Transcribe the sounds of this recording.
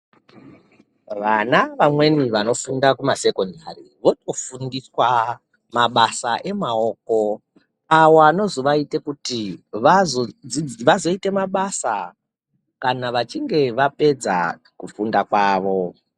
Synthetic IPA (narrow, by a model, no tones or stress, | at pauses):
ʋanaʋamwe̞niʋano̞fundakumase̞ko̞ndariʋo̞to̞fundiswa | maɓasaʔe̞mao̞ːko̞ | awano̞zoʋaite̞kutiʋazod͡ziʋazo̞ite̞maɓasa̰ | kanaʋat͡ʃiŋɡe̞ʋape̞d͡za̰ | kufundakwaːʋo̞